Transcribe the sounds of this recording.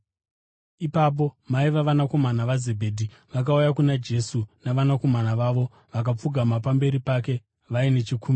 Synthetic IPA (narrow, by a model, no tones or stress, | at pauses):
ipap̬o̞maiʋaʋanako̞manaʋaze̞bʱeːdʱi | ʋak̬aujakunad͡ʒe̞sunaʋanako̞manaʋaːʋo̞ | ʋak̬ap͡fuɡʱamapambe̞ɾipake̞ | ʋaine̞t͡ʃikuːm